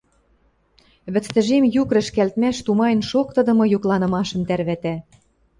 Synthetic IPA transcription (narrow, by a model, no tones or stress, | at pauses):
βɘ̆t͡st̪ə̆ʒemjukɾə̆ʃkælt̪mæʃt̪umɑjnʃokt̪ɤ̆d̪ɤ̆mɤ̆juklˠɑnɤ̆mɑʃɤ̆mt̪ærβæt̪æ